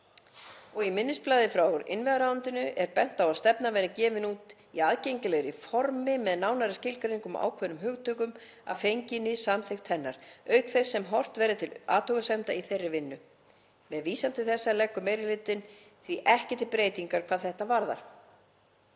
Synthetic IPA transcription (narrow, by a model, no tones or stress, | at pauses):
ɔɣimɪnːɪsplaːðɪfɾaːwɔɾɪ̰nvɛðaɾaːant̪ɪnʏʔɛɾpɛn̥t̪awaðst̪ɛpnavɛnɪcɛːvɪnuːt̪ | iaːðcejɲcɪlɛɣɾɪfɔɾmɪmɛðnaːwnaɾɪscɪlkɾeiŋkʏma̰ːwkʰvœnʏmɦʏɣt̪ʰœkʏm | a̰fejɲcɪnɪsamθɪxt̪hɛnːaɾ̥œːɥkθejɾ̥sɛmɦɔr̥t̪vɛːɾɪt̪ʰɪla̰ːt̪ʰowɣasɛm̥t̪aiθejrːɪvɪnːʏ | mɛðviːsant̪ɪθɛsːalɛkːʏmejɾɪlɪt̪ɪn | θviʔɛhcɛt̪ɪpɾeːjt̪iŋkaɾ̥kʰvaːðθɛht̪avaɾða̰ɾ̥